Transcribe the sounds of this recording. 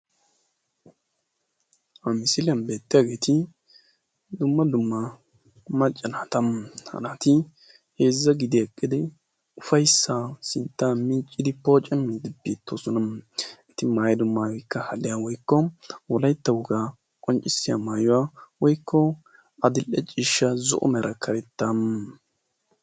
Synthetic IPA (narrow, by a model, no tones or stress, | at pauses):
hɐmɪsɪlɪjɐnbe̞ːt̪ːɪjaːɡe̞ːt̪ɪ | d̪ʊmːɐd̪ʊmːɐ | mɐt͡ʃʼːɐnaːt̪ɐmhɐ̰naːt̪ɪ | heːzːɐɡɪd̪ɪjɐkʼːɪd̪ɛ | ʊfɐjsːaːsɪnt̪ːaːmɪnt͡ʃʼːɪd̪ɪpo̞ːt͡ʃʼɐmːid̪ɪbeːt̪ʰːoːsɔnɐmɛt̪ːɪmaːjɛd̪ʊmːaːɡɔjkːɐhɐlɪjawɔjkːɔwɔlɐjt̪ːɐwʊɡaː | kʼɔnt͡ʃʼːɪsːɪja̰maːjʊwaːwɔjkʰːɔ | ɐd̪ɪlʔɛt͡ʃʼɪʃːɐzɔ̰ʔɔ̰mɛɾʔɐkʰɐɾɛt̪ːɐm